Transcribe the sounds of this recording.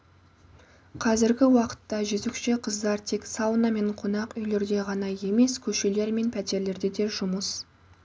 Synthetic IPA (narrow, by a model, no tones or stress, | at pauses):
qʰɑzɪɾɡʲɪwɑqə̥t̪ːɑʒʏzɪkʃeqʰəzd̪ɑɾt̪ʰe̞ksɑlˠənɑme̞ɴqʰonɑqʏjle̞ɾd̪e̞ʁɑnɑje̞me̞skʲʰɵʃe̞le̞ɾme̞npʰæt̪e̞ɾle̞ɾd̪e̞d̪e̞ʒʊməs